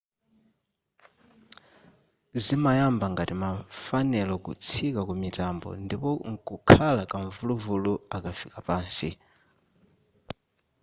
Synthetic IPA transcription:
zimajambaŋɡatimafanɛlɔkṵt͡sʰikakumitambɔ̰ndipɔŋkukʰalakaɱvuluvuluakafikapaːnsḭ

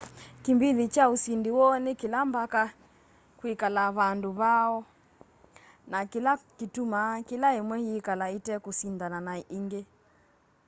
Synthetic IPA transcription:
kimbiðit͡ʃausindiwɔnekilambaka | kwikalaβanduβaɔ | nakilakitumakilaemwɛhiːkalaitɛkusindananaiŋɡe

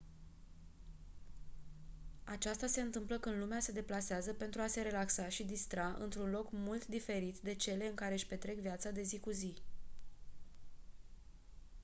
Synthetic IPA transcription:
at͡ʃast̪ase̞ɨnt̪ɨmpləkɨnd̪lumease̞d̪e̞plaseazəpe̞nt̪ɾuase̞ɾe̞laksaʃid̪ist̪ɾaʔɨ̰nt̪ɾunlo̞kmult̪d̪ife̞ɾit̪d̪e̞t͡ʃe̞le̞ɨŋkaɾe̞ʃpe̞t̪ɾe̞kvijat̪sad̪e̞zikuzi

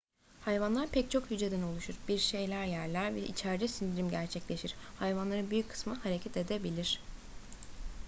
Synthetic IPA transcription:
hajvanlˠaɾpʰɛct͡ʃʰo̞khyd͡ʒed̪æno̞lˠuʃuɾbiɾʃe̞jlʲæɾjæɾlʲæɾvɛʔḭt͡ʃʰæɾd̪ɛsind̪iɾimɟæɾt͡ʃʰɛclʲe̞ʃiɾ̥hajvanlˠaɾɯnbyjycʲkʰɯ̥smɯhaɾe̞cʰɛt̪e̞d̪ebilʲiɾ̥

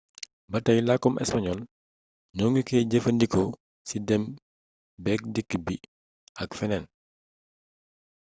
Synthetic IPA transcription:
bɐtːɐjlakːɔmʔɛ̰spɐɲɔl | ɲɔːŋɡikɛɟəfɐndikɔ | sidɛm | bɛːk̚dikːbi | ɐkfɛnɛn

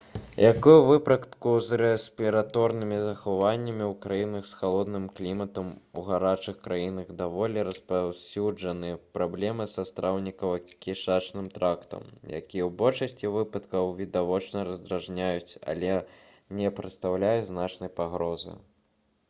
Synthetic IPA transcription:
jʔakujuvɨpɾɐt̪kuzrɛsʲpʲiɾat̪ɔɾnɨmʲizɐxavanʲːɐmʲiwkɾajinɐxsxalˠɔd̪nɨmklʲimɐt̪ɐmuɣaɾat͡ʂɨxkɾajinɐɣd̪avɔlʲɛɾɐspawsʲud͡ʐɐnɨɛpɾablʲɛmɨsɐst̪ɾʔawnʲikɐwɐkʲiʂat͡ʂnɨmt̪ɾakt̪ɐ̰mja̰kʲijɛwbɔlʲʂɐsʲt͡sʲivɨpɐt̪kɐwvʲid̪avɔt͡ʂnɐɾɐzd̪ɾaʐnʲajut͡sʲa̰lʲɛ | nʲɛpɾɐt̪st̪awlʲajuznat͡ʂnɐjpaɣɾɔzɨ̰

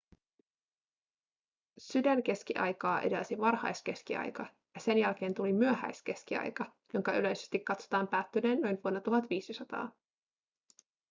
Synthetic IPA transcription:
sydænk̟e̞sk̟iʔɑ̰jkɑːʔḛdelsiʋɑrhɑ̰jske̞skiɑ̰jkɑ | jɑse̞njælk̟e̞ːnt̪ulimyøhæ̰jske̞sk̟iɑ̰jkɑ | jo̞ŋkɑylø̞jse̞̥st̪ikːɑt̪sot̪ɑːmpæːt̪ːyneːnːo̞jnʋuonːɑt̪uɦɑt̪ʋiːsisɑt̪ɑ̰ː

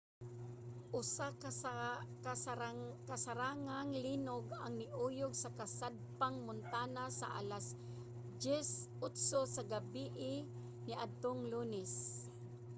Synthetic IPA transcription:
ʔʊsa | k | kasaɾaːŋaŋlinʊɡaŋnɪʔuːjʊɡsakasad̪̚paŋmʊnt̪aːnasa̰ʔa̰las | d͡ʒɛsʔʊt̪sosaɡabiʔɪ | nɪʔad̪̚t̪oŋluːnɛs

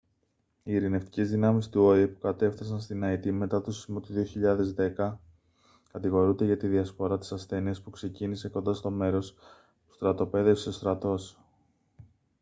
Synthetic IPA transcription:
iːɾine̞ft̪i̥ce̞zðinɐmist̪uo̞ipu̥kɐt̪e̞fθɐs̬ɐnst̪inɐit̪ime̞t̪ɐt̪osi̥mut̪uðio̞çiʎɐðe̞zðe̞kɐ | kɐt̪iɣo̞ɾund̪eʝɐt̪iðiɐspo̞ɾɐt̪i̥sɐsθe̞niɐspukse̞cinise̞ko̞nd̪ɐst̪o̞me̞ɾo̞s | t̪u̥st̪ɾɐt̪o̞pe̞ðe̞fse̞st̪ɾɐt̪o̞s

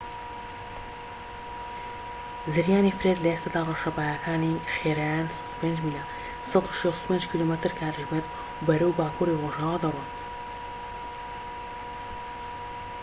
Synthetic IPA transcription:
zɨɾjaːnifɾed̪lɐest̪aːd̪aːrɑʃɐbaːjakʰaːniχeɾajaːnst̪upend͡ʒmila | sɑt̪u̥ʃest̪u̥peːnd͡ʒkʲʰilomet̪ɨɾkʰaːɾɨʒmeɾd̪ | bɐɾɐwbaːkuːɾiroʒaːwad̪ɐrwan

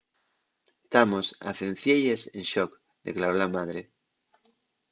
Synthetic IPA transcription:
t̪amosa̰θẽɱfjeʎesenʃok | d̪ḛklaɾolamað̞ɾe

